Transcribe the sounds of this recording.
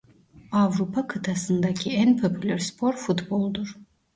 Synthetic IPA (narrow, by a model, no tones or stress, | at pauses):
avɾupʰakʰɯt̪ʰasɯnd̪acʰiænpʰopʰylʲæɾspʰo̞ɾfut̪bolˠd̪uɾ